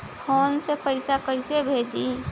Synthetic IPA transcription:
pʰoːnsepəɪsakəɪsebʱed͡ʒi

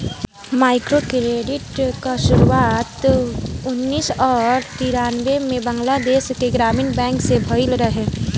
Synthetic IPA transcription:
maːɪkɾokɾeːɖɪʈkaʃʊɾuaːt̪ʊnːiːsɔːɾt̪iɾaːnʋemẽbəŋɡlad̪eːʃkeɡɾaːmiːnbɛ̃ːŋksebʱəɪlɾəɦeː

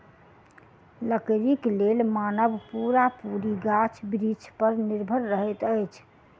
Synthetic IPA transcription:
ləkɾiklelmanəbpuɾapuɾiɡat͡ʃʰbɾit͡ʃʰpəɾniɾbʱəɾːəɦɛt̪əjt͡ʃʰ

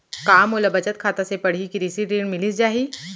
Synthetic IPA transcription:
kaːmoːlabɐt͡ʃət̪̚kʰaːt̪asepɐɽ̤ikiɾisiɾeːɳmɪlid͡ʒaːɦiː

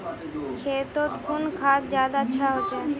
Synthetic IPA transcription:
kʰeːt̪ot̪kʊnkʰaːt̪zjaːd̪aətːʃʰaɦoːd͡ʒa

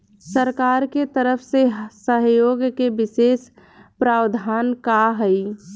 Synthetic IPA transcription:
səɾkaːɾket̪əɾəpʰsesəɦjoːɡkebɪseːs | pɾaːwd̪ʱaːnkaɦəi

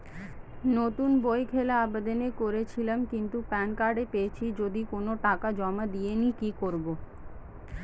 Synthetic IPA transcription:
not̪unbojkʰelaabad̪anekoɾet͡ɕʰilamkint̪upɛnkaɾɖepeet͡ɕʰid͡ʑod̪ikonoʈakad͡ʑɔmad̪ijenikikoɾbo

